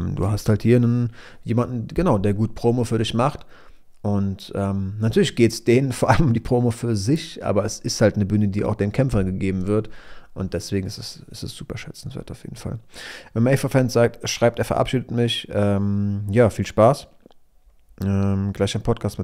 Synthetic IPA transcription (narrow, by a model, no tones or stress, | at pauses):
mdṵːɦasthalthiːɐnənjeːmandn̩ɡ̥ənaʊdeːɐɡuːt̚pʁ̥oːmofyːɐɾɪçmaχt | ʔʊntʔɛːmnatʰyːɐlɪçɡ̥eːtsd̥eːnənfoːɐʔaləmʊmdiːpʁ̥oːmofyːɐzɪçʔa̰ːbɐɛsɪsthaltnəbyːnədiːʔa̰ʊxd̥eːmkʰɛmfɐɡəɡeːbm̩vɪɐtʔʊnt̚d̥ɛsv̥eːɡŋ̩ɪstɛs | ɪstɛsz̥uːpɐʃɛt͡sn̩sv̥ḛːɐtaʊfjḛːdn̩fa̰lvɛnmaɛfafɛnsz̥aːk̚tʃʁ̥aɪp̚teːɐfɛɐ̰ʔa̰pʃiːdətmɪçʔɛːmjaːfiːlʃpaːs | ʔɛmɡlaɪçaɪnpʰɔt̚kʰaːstmɪ